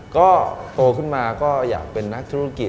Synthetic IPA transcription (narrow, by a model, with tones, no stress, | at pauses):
kɔː˥˩t̪o˧kʰɯ˥˩nmaː˧kɔː˥˩ja̰ː˨˩k̚pe˧nːa˦˥k̚t̪ʰuː˦˥a˦˥ki˨˩